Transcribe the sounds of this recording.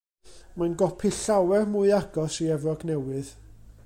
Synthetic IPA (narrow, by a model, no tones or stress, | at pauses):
manɡɔpʰiɬawɛrmuɨaɡ̥ɔsiɛvɔɡnɛwɨð